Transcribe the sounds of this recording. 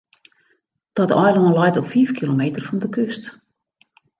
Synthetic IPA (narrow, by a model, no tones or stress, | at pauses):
d̥ɔtɔjlˠɔnlɔjtɔpfiːfkʰilomeːtərfɔndəkøst